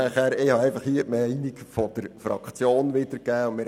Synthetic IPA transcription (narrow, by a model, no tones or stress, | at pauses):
æχæːɾɪhɑɛɪfɑχhiːəmæɪnikfɔd̥əɾfɾɑ̰kt͡sjoːnʋɪdəɾkæːʊntmɪː